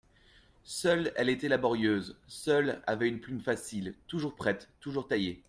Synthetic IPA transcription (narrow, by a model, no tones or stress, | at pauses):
sœlɛlet̪ɛlabɔʁjøzsœla̰vɛynplymfasilt̪uʒuʁpχɛt̪ːuʒuʁt̪aje